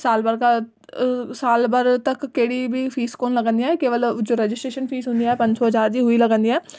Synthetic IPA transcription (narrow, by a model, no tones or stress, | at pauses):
saːlbəɾka | saːlbəɾt̪əkːeːɽiːbiːpʰiːskoːnləɡə̃nd̪iãːɦɛːkeːʋəld͡ʒoːɾɛd͡ʒɪsʈɾeːʃənpʰiːsɦʊ̃nd̪ijaːɦɛːpə̃ɲd͡ʒsɔːɦəzaːɾd͡ʒiːɦʊiːləɡə̃nd̪iːaɛː